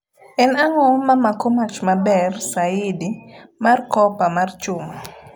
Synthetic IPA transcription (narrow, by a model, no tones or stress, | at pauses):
ɛnaŋɔmamakomat͡ʃmabɛrsaidimarkɔpamart͡ʃʊma